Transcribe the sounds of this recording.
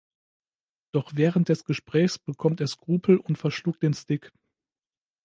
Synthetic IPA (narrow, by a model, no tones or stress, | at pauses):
d̥ɔχv̥ɛːʁənt̚d̥ɛsɡ̥əʃpʁ̥ɛːçsb̥əkʰɔmteːɐskʁ̥uːpʰl̩ʔʊntfɛɐʃluːk̚d̥eːnstɪk